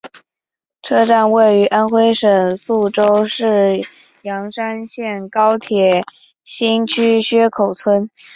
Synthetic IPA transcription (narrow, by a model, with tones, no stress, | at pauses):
ʈ͡ʂʰɤ˥ʈ͡ʂa˥˧nwe˥˩ɪy˧˥ʔa˥nxwe˥ɪʂə˨˩ŋsu˥˩ʈ͡ʂo˥ʊʂɻ̩˥˩ | jɑ˧˥ŋʂa˥nɕjɛ˥˩nkɑ˥ʊt̪ʰjɛ˨˩ | ɕi˥nt͡ɕʰy˥ɕɥɛ˥kʰo˨˩ʊt͡sʰwə˥n